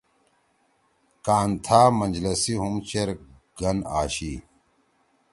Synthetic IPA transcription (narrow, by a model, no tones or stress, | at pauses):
kaːnt̪ʰaːmɐnd͡ʑlɐsiɦumt͡ɕeɾ | ɡ̥ɐnaːɕi